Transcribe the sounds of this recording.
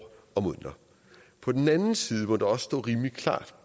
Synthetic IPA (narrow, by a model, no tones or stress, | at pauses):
ɒ̽mon̰d̥ɐ | pʰɒ̽d̥en̩ænn̩siːð̞̩ˠmɒ̽d̥eɒ̽ssd̥ɔ̰ːʁiːmlikʰlɑ̰̈ːd̥